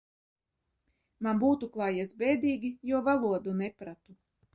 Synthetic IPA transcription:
manbuːt̪uklˠaːjisbʲɛːd̪iːɡʲijuɔvalˠuɔd̪unɛpɾat̪u

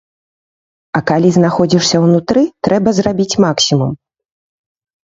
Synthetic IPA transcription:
ɐkalʲiznaxɔd͡zʲiʂsʲɐwnut̪ɾɨt̪ɾɛbɐzrabʲit͡sʲmaksʲimum

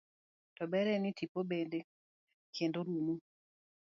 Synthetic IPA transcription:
tɔbɛɾɛnɪtipobende | kʰendoɾumu

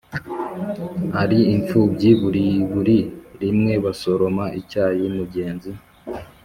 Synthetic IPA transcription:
haɾiːɱp͡fubɟiβuɾiβuɾiɾimŋe̞βaso̞ɾo̞maʔicaːjimuɟe̞ːnzi

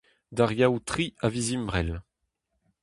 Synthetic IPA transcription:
d̪aʁjawt̪χiavizimbʁɛl

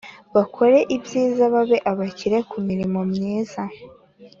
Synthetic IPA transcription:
βakʰo̞ɾe̞ʔibjiːzaβaβe̞ʔaβaciɾe̞kumiɾimo̞mɲiːza

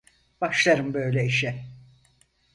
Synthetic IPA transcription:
b̥aʃlˠaɾɯmbø̞jlʲɛiʃɛ

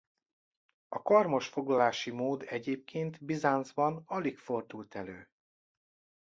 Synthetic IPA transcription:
ɒkɒrmo̞ʃfo̞ɡlɒlaːʃimoːd̪ɛɟeːp̚kʰeːnt̪bizaːnzbɒnɒlikfo̞rd̪ult̪ɛløː

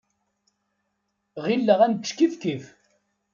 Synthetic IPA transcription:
ʁilːəʁænt̪ʃkifkif

